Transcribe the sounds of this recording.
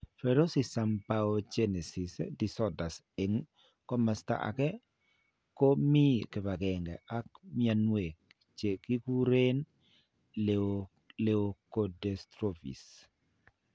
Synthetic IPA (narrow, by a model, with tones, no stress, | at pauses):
fɛɾo˦sisa˨mpaod͡ʒe˦nɛ˨si˨sdi˨sɔ˦da˨s | ɪ˨ŋ | kɔ˦ma˨sta̰˦ʔa̰˨kɛ˦ | ko˦mi˦ke˨βa˨ɡɛ˨ŋɡɛ̰˨a˦kmɪa˨nwe˨ | t͡ʃe˨ki˦ku˦ɾe˦n | l | leokodɛstɾofḭ˨s